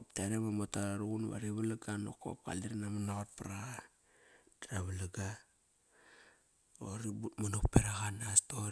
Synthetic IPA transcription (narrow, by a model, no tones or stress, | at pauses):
opteɾeβamotaaɾuɡunβa̰ɾiβalaɡano̰ko̰p̚ka̰liɾnamanaɣot̚paɾa | d̥aɾaβalaɡa | oɾibumanok̚peɾaɣanasto